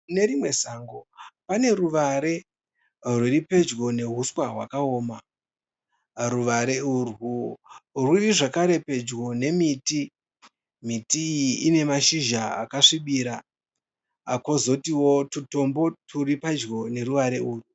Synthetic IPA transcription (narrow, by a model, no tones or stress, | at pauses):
ne̞ɾimwe̞saːŋɡo̞pane̞ɾuʋaɾe̞ | rwuripe̞d͡ʒɡo̞ne̞ɦuswaɦwa̰kaoːma | ruʋaɾe̞urwu | rwuriʐakaɾe̞pe̞d͡ʒɡo̞ne̞miti | mitiːjiine̞maʃiʒaa̰kaʂiɓiːɾa | ako̞zo̞tiwo̞tuto̞mbo̞tʰuripad͡ʒɡo̞ne̞ɾuʋaɾe̞uːru